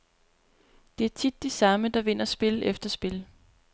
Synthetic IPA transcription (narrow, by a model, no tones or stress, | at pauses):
d̥e̝æɐt͡sʰid̥ːesɑ̈məd̥ɑ̈ʋe̝n̰ɐsb̥e̝ləʔefd̥ɐsb̥e̝l